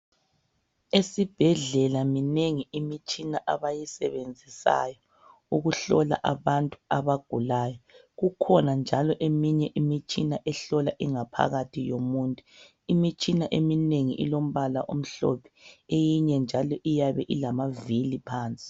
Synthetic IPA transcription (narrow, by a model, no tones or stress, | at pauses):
esib̥ʱɛɮɛlamineŋiimit͡ʃʼinaʔaβajisɛβend͡zʱisa̰jɔ | uɣuɬɔla̰ʔaβantʼuaβaɡ̥ʱulaːjɔ | ɣukʰɔnand͡ʒʱalɔʔemiɲɛʔimit͡ʃʼinaʔɛɬɔlaʔiŋapʰa̰ɣatʰijomuːntʼu | imit͡ʃʼinaʔemineŋiʔḭlom̩βalaʔom̩ɬɔ̰pʰɛ̥ejiɲɛnd͡ʒʱalɔʔijaβɛʔilamavilipʰaːnt͡sʼi̥